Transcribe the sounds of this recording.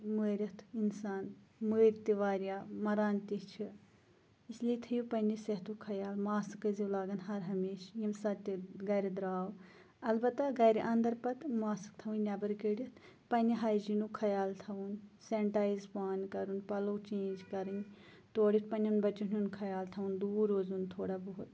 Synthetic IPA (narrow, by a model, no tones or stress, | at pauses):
meːɾʲɐt̪ʰinsaːnmuɾt̪iʋaːɾjaːmɐɾaːnt̪it͡ʃʰi | islit̪ʰɐjupɐnisɐt̪ukʰɐjaːlmaːsɨkɐziwlaːɡɐnɦɐɾɦɐmeːʃjimsɐt̪ʲiɡɐjɾid̪ɾaːw | ɐlbɐt̪ːaɡɐjɾeʔɐnd̪ɐɾpɐt̪maːsɨ̥kt̪ʰɐʋunnʲɐbɐɾkeːɽjit̪ʰ | pɐniɦaːjd͡ʒinukʰɐjaːlt̪ʰɐʋunseɳʈaːjzpaːnkɐɾunpɐloːt͡ʃẽːnd͡ʒkɐɾɨn | t̪oːɽjit̪̚ʰpɐnɐnbɐt͡ʃununkʰɐjaːlt̪ʰɐʋund̪uːɾoːzunt̪ʰoːɽaːboɦut̪